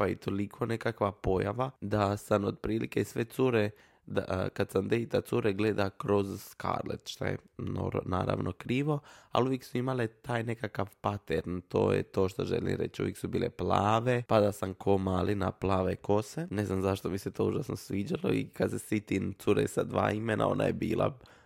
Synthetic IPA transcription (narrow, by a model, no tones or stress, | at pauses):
pait̪ʰo̞likʰo̞ne̞kakʋapo̞jaʋad̪asamod̪̚pɾiːlike̞sʋet̪suɾe | d̪akad̪samd̪eit̪at̪suɾeɡled̪akɾo̞zska̰ɾlḛt̪ʃt̪a̰jḛno̰ɾna̰ːɾa̰ʋnʔokɾiːʋo̞a̰luʋjeksuimalet̪aːjne̞kakaʋpat̪eɾnt̪o̞̰ːjḛt̪o̞ːʃt̪oʒelḭmɾe̞̰t͡ʃṵjeksubiːleplaːʋe̞pad̪asamkʰomaːlina̰plˠaːʋeko̞sene̞znamzaʃt̪omiset̪o̞ːuʒaːsnosʋiːd͡ʒalo̞̰ikad̪sesʋit̪int̪suɾesad̪ʋa̰ːimenʔa̰o̞̰na̰jebiːlˠa̰